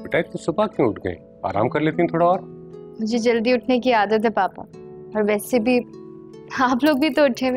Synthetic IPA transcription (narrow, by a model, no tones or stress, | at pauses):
pɪʈaːk̚t̪osʊpakjũʊʈʰɡɐ̰ḛ̃ | a̰ːɾa̰ːmkɐɾleːt̪iɦɛ̃t̪ʰoːɽaɔːɾmʊd͡ʒʱed͡ʒɐld̪iʊʈʰnekiaːd̪ət̪ɦɛpaːpa̰ | ɔːɾʋɛːsebʱi | aːploːɡ̚bʱit̪oʊʈʰe